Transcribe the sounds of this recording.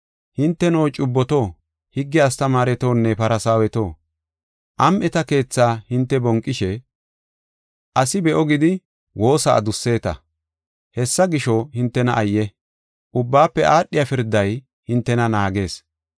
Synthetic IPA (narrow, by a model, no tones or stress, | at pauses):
hɪnt̪ːɛno̞ːt͡ʃʼʊbːɔt̪o̞ː | hɪɡːɪɐst̪ɐmaːɾɛt̪o̞ːnːɛpɐɾɐsaːwɛt̪o̞ː | ʔɐmʔɛt̪ɐke̞ːt͡sːaːhɪnt̪ːɛbɔŋkʼːɪʃɛ | ʔɐsɪbɛʔɔɡɪd̪ɪ | wʔo̞ːsa̰ːd̪ʊsːe̞ːt̪ɐ̰ | hɛsːɐɡɪʃɔhɪnt̪ːɛnɐʔɐjːɛ | ʔʊbːaːpːɛʔaːɗɪjafɪɾd̪ːɐj | hɪnt̪ːɛnɐnaːɡe̞ːs